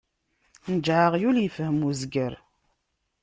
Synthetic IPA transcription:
nəd͡ʒʕəʁjuljəfhəmuzɡəɾ

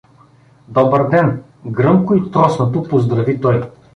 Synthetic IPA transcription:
d̪ɔbəɾd̪ɛn | ɡɾɤmkoit̪ɾɔsnot̪opozd̪ɾɐvit̪ɔj

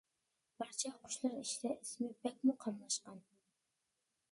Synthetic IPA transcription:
b̥ɑɾt͡ʃʰɛqʰʊ̥ʃlˠɑɾiʃid̪ɛʔismɪbɛk̚ʲmuqʰɑmlˠɑʃqɑn

